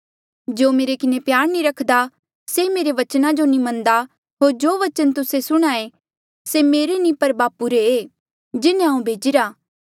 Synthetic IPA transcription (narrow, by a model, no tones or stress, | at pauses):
d͡ʒoːmeːɾekɪnepjaːɾniɾɐkʰd̪a | semeːɾeʋɐt͡ʃnad͡ʒonĩmɐ̃nd̪a | ɦoːɾd͡ʒoːʋɐt͡ʃənt̪ʊsesʊɽ̃ae | semeːɾenĩpɐɾbaːpuɾeeː | d͡ʒɪnẽãũbʱeːd͡ʒɪɾaː